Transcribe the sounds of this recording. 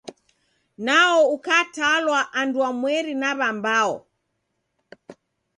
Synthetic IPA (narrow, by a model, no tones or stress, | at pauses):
naɔukatalwaʔanduamwɛɾinaβambaɔ